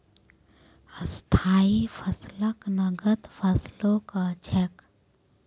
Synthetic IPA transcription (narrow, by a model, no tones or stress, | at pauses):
əst̪ʰaːifʰɐsləknɐɡət̪fəslõkat͡ʃʰɛk